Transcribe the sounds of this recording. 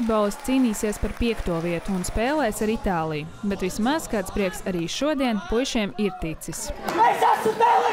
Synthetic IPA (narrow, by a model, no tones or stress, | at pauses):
d̪̚bɔːlˠɨst̪siːniːsiɛspaɾpiɛkt̪uɔviɛt̪uːnspeːlˠɛːsaɾit̪aːlˠijubet̪ʋismazkaːt̪spɾiɛksaɾiːʃuɔd̪iɛnpujʃiɛmiɾt̪it̪sislajsasut̪ɛl